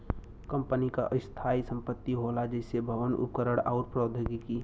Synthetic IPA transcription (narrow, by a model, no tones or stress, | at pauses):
kəmpənika̰ʔəst̪ʰaːisə̃mpət̪ːiɦolad͡ʒəɪsebʱəʋənʊ̰pkəɾəɽa̰ʊɾpɾoːd̪ʱəɡiki